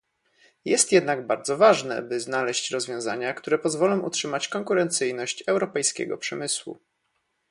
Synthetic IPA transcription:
jɛst̪jɛd̪naɡbaɾd̪zɔvaʐnɛ̰bɘznalɛɕt͡ɕɾɔzvʲjɔ̃w̃zaɲakt̪uɾɛpɔzvɔlɔ̃w̃utʂɘmat͡ɕkɔŋkuɾɛnt̪sɘjnɔɕt͡ɕɛwɾɔpɛjskʲɛ̰ɡɔ̰pʂɛmɘswṵ

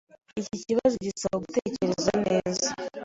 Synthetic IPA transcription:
iciciβazoɟit͡saoɡuteːceɾezaneːza

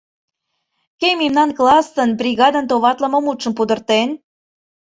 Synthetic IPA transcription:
kemimnɑnklɑst̪ənbrʲiɣɑd̪ənt̪oβɑt̪lə̆məmut̪ʃə̆mpud̪ə̆rt̪en

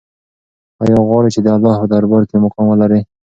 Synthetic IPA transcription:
ɑjɑɣwɑɽet͡ʃed̪əalːɑhpəd̪aɾbɑɾkemʊkɑmwəlaɾi

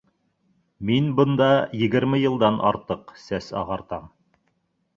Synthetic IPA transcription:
minbɤ̆nd̪ɑjɘ̆ɡɘ̆ɾmɘjɤ̆lˠd̪ɑnʔɑ̰ɾt̪ɤqsæsɑ̰ʁɑɾt̪ɑm

